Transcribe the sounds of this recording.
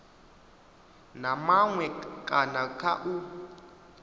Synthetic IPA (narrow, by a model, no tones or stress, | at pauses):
namaŋwɛkʼanakʰaʔu